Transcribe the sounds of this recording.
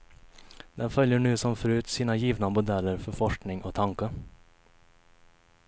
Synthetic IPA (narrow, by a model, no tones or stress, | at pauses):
d̪̥ɛnfœljəɳʉːsɔmfɾʉːt̪siːnɑjiːʋnəmʊd̪ɛləɾfɔfɔʂknɪŋʔoːt̪ʰɑŋkə